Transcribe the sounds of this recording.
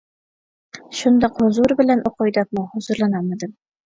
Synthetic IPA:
ʃund̪ɑqozuɾbɘ̆lænʔoqojd̪ɑp̚muhŏzʊɾlˠɑnɑmɑd̪ɘm

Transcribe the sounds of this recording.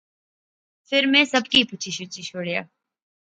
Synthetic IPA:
fɪɾmẽːsɐbkipʊt͡ʃʰiʃʊt͡ʃiʃoːɽja̰ː

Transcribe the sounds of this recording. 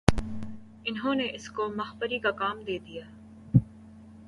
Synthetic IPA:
ɪnɦõːneʔɪskomɐxbəɾikakaːmd̪eːd̪ijaː

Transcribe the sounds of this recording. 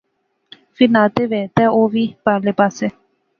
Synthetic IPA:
finat̪eʋet̪ɛoʋipalepase

